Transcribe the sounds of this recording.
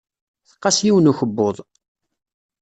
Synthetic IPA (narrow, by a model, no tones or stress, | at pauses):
θə̥qːɑsjiwənuçəbːʊðˤ